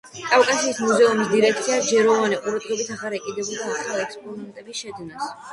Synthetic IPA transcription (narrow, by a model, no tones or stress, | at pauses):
kʼavkʼasiːsmuzɛumisd̪iɾɛkʰt̪sʰiad͡ʒɛɾɔvaniqʼuɾad̪ʁɛbisaʁaɾɛkʼid̪ɛbult̪ʰaːχalˠɛkspʼɔnɛnt̪ʼɛbisʃɛd̪nas